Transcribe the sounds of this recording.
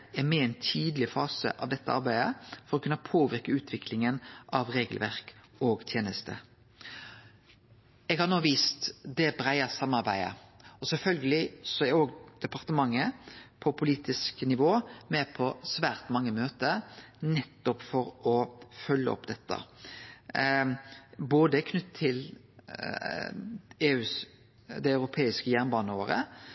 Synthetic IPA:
ɛmɛɛɪnt̪ʰiːd̪lɪfɑːsə̰ʔɑ̰ʋd̪ɛt̪ːəʔɑ̰ɾbæɪd̪əfɔɾɔkʰʉnːəpʰoːʋɪɾkəʉːt̪ʰʋɪkʰlɪŋənʔɑʋɾeːɡəlʋæɾkɔɡt̪ʰjeːnəst̪ʰə̰ | ɛɡhɑɾnoːʋiːst̪d̪ɛbɾæɪəsɑmːɑɾbæ̰ɪə̰ɔsɛfœlɡəlɪsɔæɾoːɡd̪̥ɛpɑʁt̪əmɑŋːəpʰɔpʰʊliːt̪ɪsknɪʋoːmɛpʰɔsʋæːɾt̪mɑŋːəmøːt̪ənɛt̪ːɔpfɔɾɔfœlːə̰ɔ̰pd̪ɛt̪ːə̰ | boːd̪əɛkʰnʉt̪ʰːɪl | eːʉːs | d̪ɛɑʉɾʊpʰeːɪskəjæʁnbɑːnəoːɾə̰

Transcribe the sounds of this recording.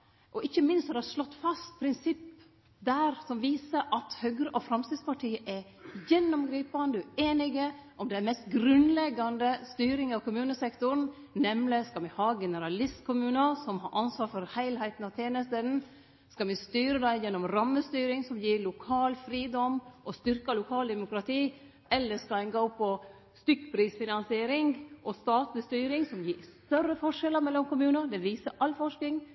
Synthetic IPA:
ʔɔʔɪçːəmɪnst̪d̪ɛhɑʂlɔt̪ːfɑst̪̚pʰɾɪnsɪpː | d̪æɾsɔmʋiːsəɾʔɑt̪hœɡɾəʔɔfɾɑmst̪ɪd̪spɑʈʰiːəʔɛ | jɛnːʊmɡɾiːpɑnd̪əeːnɪɡəʔɔmd̪ɛæmɛst̪ɡɾʉnlɛɡːɑnd̪əst̪yːɾɪŋɑʋkʰʊmʉːnəsɛkt̪ʊɾɳ̩ | nɛmlɪskɑlʋɪhɑːɡɛnəɾɑlɪst̪kʰʊmʉːnəsɔmhɑɾʔɑnsʋɑːɾfɔɾhæɪlhæɪt̪n̩ɑʋt̪ʰjeːnəst̪əd̪n̩ | skɑlmɛst̪yːɾəd̪æɪjɛnːɔmɾɑmːəst̪yːɾɪŋsɔmjiːlʊkʰɑːlfɾiːd̪ɔmʔɔst̪ʏɾkəlʊkʰɑːld̪ɛmʊkɾɑt̪ʰiː | ɛlːəskɑɛɪŋɡoːpʰɔ | st̪ʏkːpʰɾiːsfɪnɑnsɪeːɾɪŋʔɔst̪ɑːt̪lɪst̪yːɾɪŋsɔmjiːɾst̪œrːəfɔʂɛləɾmɛlːɔmkʊmʉːnəd̪ɛʋiːsəʔɑlfɔʂkɪŋ

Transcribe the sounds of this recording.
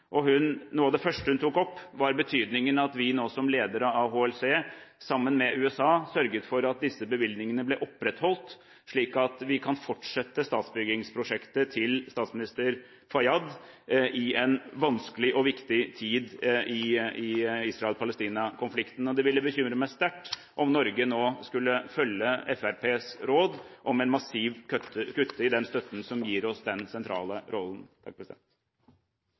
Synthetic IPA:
ʔɔhʉnnuːɑd̪ɛfœʂʈəhʉnt̪ʰuːkɔpːʋɑɾbət̪ʰyːd̪nɪŋənɑt̪ʋɪnoːsɔmleːd̪əɾəɑɦoːɛlseːsɑmːənmɛʔʉːɛsɑːsœɾɡət̪fɔɾɑt̪̚d̪ɪsːəbəʋɪld̪nɪŋənəblɛʔɔpːɾɛt̪hɔlt̪ | ʂɭiːkɑt̪ʋɪkʰɑnfɔʈʂɛt̪ːəst̪ɑːt̪sbʏɡɪŋspʰɾʊʂɛkt̪ət̪ʰɪlst̪ɑːt̪smɪnɪst̪əɾ | fɑjɑd̪ɪɛnʋɑnskəlɪʔɔʋɪkt̪ɪt̪ʰiːd̪ʔɪɪisɾɑɛlpʰɑləst̪iːnɑkʰʊnflɪkt̪n̩ɔd̪ɛʋɪlːəbəçʏmɾəmæɪst̪æʈː | ʔɔmnɔɾɡənoːskʉlːəfœljːəɛfæɾpʰeːsɾoːd̪ʔɔmɛnmɑsiːʋkœt̪ːəkʉt̪ʰːəɪd̪ɛnst̪œt̪ːn̩sɔmjiːɾɔsd̪ɛnsɛnt̪ʰɾɑ̰ːləɾʔɔlːn̩t̪ʰɑ̰k̚pʰɾɛsɪd̪ɛ̰nt̪

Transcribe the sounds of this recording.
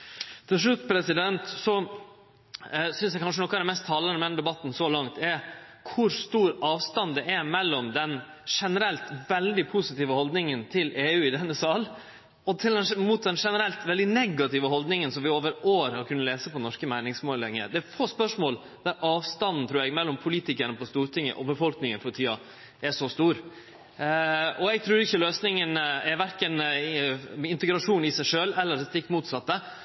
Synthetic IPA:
t̪ʰɪlʂ̬ɭʉt̪ːpʰɾɛsɪd̪ɛnt̪sɔ | sʏnsjɛkʰɑnʂənɔkːəd̪ɛmɛst̪ʰːɑːlɑnəmɛɛnəd̪ɛbɑt̪ːn̩sɔlɑŋt̪ɛkʰʊɾst̪uːɾɑːʋst̪ɑnd̪ɛʔɛɾmɛlːɔmd̪ɛn | ʂɛnəɾɛlt̪ʋɛld̪ɪpʰʊsɪt̪iːʋəhɔld̪nɪŋənt̪ʰɪlʔeːʉːɪd̪ɛnːəsɑːl | ɔt̪ʰɪld̪ɛnmuːt̪̚d̪ɛnʂɛnəɾɛlt̪ʋɛld̪ɪnɛɡɑt̪ɪʋəɦɔld̪nɪŋənsɔmʋɪoːʋəɾoːɾhɑɾkʰʉnːəleːsəpɔnɔʂkəmæɪnɪŋsmoːləlɛŋːə̰d̪ɛæɾfoːspœʂmoːl | d̪̥æɾʔɑːʋst̪ɑnːn̩t̪ɾʉːɾɛɡmɛlːɔmpʰʊliːt̪ɪkənəpɔst̪uːɾt̪ʰɪŋːə̰ʔɔbəfɔlknɪŋənfɔt̪ʰiːɑ | ɛʂɔst̪uːɾ | ɔɛɡ̚t̪ʰɾʉːɾɪçːəløːsnɪŋənɛɾʋæɾkən | ɪnt̪əɡɾɑʂuːnɪsæɪʂøːlɛlːəɾɛt̪ɪkːmuːt̪sɑt̪ːə

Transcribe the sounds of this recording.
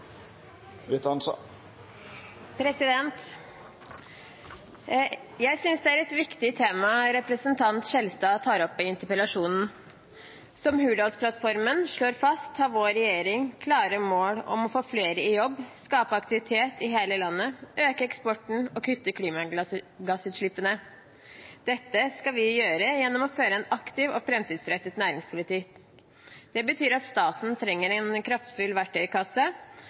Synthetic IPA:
ʋɪt̪ɑn | pʰɾɛsɪd̪ɛnt̪ | jæɪsʏnsd̪ɛæɾɛt̪ʋɪkt̪ɪt̪ʰeːmɑɾɛpɾəsənt̪ʰɑnt̪ʂɛlst̪ɑːt̪ʰɑːɾɔpːɛɪnt̪əpəlɑʂuːnn̩ | sɔmhʉːɖɔlspʰlɑt̪fɔɾmənʂɭoːɾfɑst̪ʰhɑːʋoːɾɛjeːɾɪŋkʰlɑːɾəmoːɽɔ̰mɔfoːfleːɾəɪjɔbːskɑːpəɑkt̪ɪʋɪt̪ʰeːt̪ɪɦeːləlɑnːəʔøːkəɛkspɔʈɳ̩ɔkʰʏt̪ːəkʰliːmɑɡɑsʉːt̪ʂɭɪpːənə | d̪̥ɛt̪ːəskɑʋɪjøːɾəjɛnːɔmɔføːɾəɛnɑkt̪ɪʋɔfɾɛmt̪iːd̪sɾɛt̪ːət̪næːɾɪŋspʰʊlɪt̪iːk | d̪̥ɛbət̪ʰyːɾɑt̪st̪ɑːt̪n̩t̪ʰɾɛŋːəɾɛnkʰɾɑft̪fʉlːʋæʈːœʏkʰɑsə

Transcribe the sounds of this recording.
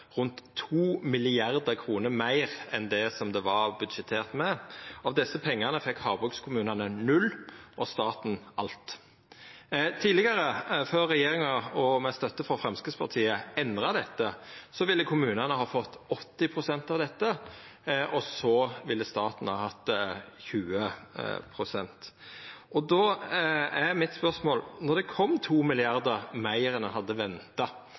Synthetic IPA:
ʁʉnt̪ʰːuːmɪlɪɑɾd̪əkʰɾuːnəɾmæɪʁɛnd̪ɛsɔmd̪ɛʋɑʁbʉd̪ʃɛt̪ʰːeːʁt̪mɛɑʋd̪ɛsːəpʰɛŋːɑʁnəfɛkːhɑʁbʉkskʰʊmʉːnɑnənʉlːʔɔst̪ɑːt̪n̩ɑlt̪ | t̪ʰiːlɪɡəɾəføːɾːɛjeːɾɪŋɑɔmɛst̪œt̪ːəfɾɔfɾɛmskəspʰɑʁt̪ʰiːəɛnd̪ʁɑd̪ɛt̪ːəsɔʋɪlːəkʰʊmʉːnənəhɑːfɔt̪ːɔt̪ːɪpʰʁʊsɛnt̪ɑʋd̪ɛt̪ːə | ʔɔsɔʋɪlːəst̪ɑːt̪n̩hɑːhɑt̪çʉːəpʰʁʊsɛnt̪ʔɔd̪oːæmɪt̪spœʁsmoːlnɔd̪ɛkʰɔmt̪ʰuːmɪlɪɑɾd̪əʁmæɪəɾənəɦɑd̪ːəʋɛnt̪ɑ

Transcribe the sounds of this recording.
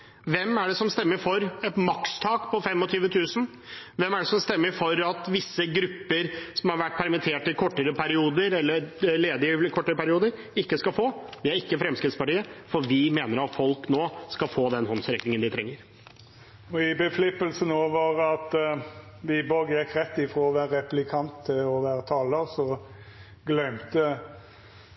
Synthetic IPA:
ʋɛmːæɖɛsɔmst̪ɛmːəfɔɾɛt̪mɑkst̪ʰɑːkpʰɔfɛmːɔt̪ʰyːʋət̪ʰʉːsən | ʋɛmːæɖɛsɔmst̪ɛmːəɾfɔɾɑt̪ʋɪsːəɡɾʉpːəɾsɔmhɑɾʋæʈːpʰæɾmɪt̪ʰeːʈɪkʰɔʈːəɾəpʰæɾɪuːd̪əɾɛlːəɾleːd̪əələkʰɔʈːəɾəpæɾɪuːd̪əɾ | ɪkːəskɑfoːd̪ɪæɾɪkːəfɾɛmskɾɪt̪spɑʈiːəfɔɾʋɪmeːnəɾɑt̪fɔlknoːskɑfoːd̪ɛnhɔnsɾɛknɪŋənd̪ɪt̪ʰɾɛŋːəɾ | ɔɪbəflʏpːəlsənoːʋəʁɑt̪ | ʋɪboɡjɛkɾɛt̪ːɪfɾoːɔʋæːɾəɛplɪkʰɑnt̪ʰːɪlɔʋæːɾət̪ʰɑːləɾsɔ | ɡlœmt̪ə

